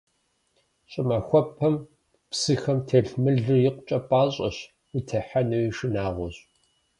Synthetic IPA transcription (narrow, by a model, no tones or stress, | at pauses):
ɕʼɪmɐxʷɔpʰɐm | psɨxɐmtʰeɬmɨɮɨjɪqʷt͡ʃʼɐpʼaːɕʼɐ̰ɕ | itʰɐħanɐwiʂɨnaːʁʷɔɕʼ